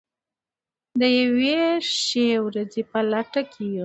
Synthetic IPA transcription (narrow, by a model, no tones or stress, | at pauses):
d̪əjaweʃewɾad͡zepalaʈakʰeji